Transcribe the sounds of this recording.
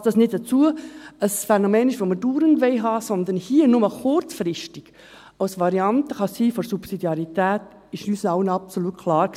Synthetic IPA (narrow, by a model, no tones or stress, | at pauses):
td̥ɑsnɪtd̥ət͡suəəsfɛnɔmeːnɪʃʋoməd̥uːɾəndʋɛɪɦɑːsɔnd̪ənhiːənʊməχʊɾt͡sfɾɪʃtiɡ̥ | aʊsʋɑɾiɑntəχɑsiːfɔɾsupsidjɑɾitæːt | ɪʃyːsənɑʊənɑpsolut̚kʰlɑːɾ